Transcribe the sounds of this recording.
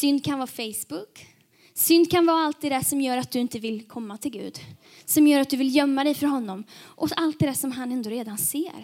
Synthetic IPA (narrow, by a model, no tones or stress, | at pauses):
sʏnd̪̚kʰanvɑːfɛjsbʊk | sʏnd̪̚kʰanvɑːalt̪̚ːɛd̪æʂɔmjœːɾat̪̚d̪ɵɪnt̪əvɪlkʰɔmːat̪ʰɪlɡʉ̟̰ːd̪ | sɔmjœːɾat̪̚d̪ɵvɪljœmːad̪ɛjfœɾɦɔnːɔmʔɔalt̪̚d̪ɛd̪æʂɔmɦanɛnd̪oːɾeːd̪ansḛːɾ